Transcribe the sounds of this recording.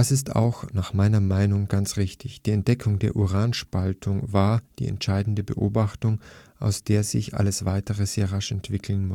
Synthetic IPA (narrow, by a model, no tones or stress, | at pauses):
dasɪsta̰ʊxnaːχmaɪnɐmaɪnʊŋɡant͡sʁ̥ɪçtʰɪçd̥iːɛnt̚d̥ɛkʰʊŋdeːɐʔuʁaːnʃpaltʰʊŋvaːɐd̥ḭːɛ̰ntʃaɪdn̩dəbəʔoːbaχtʊŋʔa̰ʊsd̥eːɐzɪ̰çʔa̰ləsv̥aɪtəʁəzeːɐʁaʃɛntv̥ɪkʰl̩nmʊ